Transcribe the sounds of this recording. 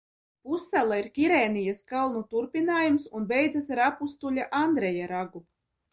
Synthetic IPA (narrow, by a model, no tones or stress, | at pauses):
pusːɛlˠaiɾkʲiɾɛːnijaskalˠnut̪uɾpʲinaːjumsunbɛjd̪zasaɾapust̪ulʲaʔand̪ɾɛjaɾaɡu